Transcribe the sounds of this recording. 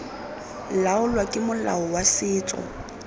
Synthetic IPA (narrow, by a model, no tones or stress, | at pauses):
laʊlwakʼɪmʊla̰ɔwasɪːt͡sʼɔ̰